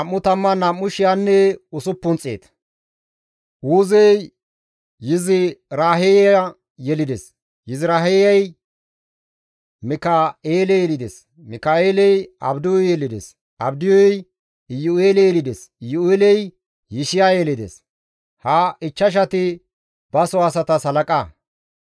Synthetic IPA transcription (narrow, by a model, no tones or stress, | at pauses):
ɐmːʊt̪ɐmːɐnɐmːʊʃɪjanːɛʊsʊpːʊnt͡sʼːḛːt̪ | ʔuːzɛj | jɪzɪɾaːɦejɛa | jɛlɪd̪ɛ̰s | jɪzɪɾaːɦɛjɐj | mɪkaeːlɛjɛlɪd̪ḛs | mɪkaːeːlɛjɐ̰bd̪ɪɔjjɛlɪd̪ɛ̰s | ɐbd̪ɪjɔj | ɪjʊeːlɛjɛlɪd̪esɪjʊeːlɛj | jɪʃɪjaːjɛlɪd̪ḛs | haɪt͡ʃːɐʃ̬ɐt̪ɪ | b̥ɐsɔɐsɐt̪ɐsɐlɐkʼa